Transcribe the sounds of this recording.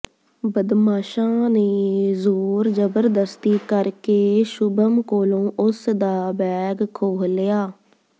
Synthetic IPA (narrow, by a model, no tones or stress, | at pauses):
bəd̪maːʃãːneːzoːɾd͡ʒəbəɾd̪əst̪iːkəɾkeːʃʊbəmkoːlõːʔʊsd̪aːbɛːɡkʰoːɦlejaː